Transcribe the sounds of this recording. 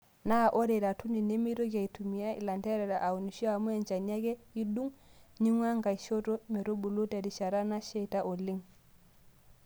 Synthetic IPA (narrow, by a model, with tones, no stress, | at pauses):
na˦˨ʔo˦ɾe˨ɾa˨tu˦ni˨ne˦mi˦ɾo˦ka˨i˨tu˨mi˨ja˦ʔḭ˨la˨nte˦ɾɛ˨ɾa˨ʔa˨wu˨ni˨ʃi˦a˨mu˦e˨nt͡ʃa˨ɲa˦ɡe˦ji˦du˦ŋɲi˦ŋwa˦ŋka˨jʃo˦to˦me˨ɾo˦bu˨lo˦ta˨di˨ʃa˨ɾa˦na˦ʃe˦ta˦ʔo˨li˦ŋ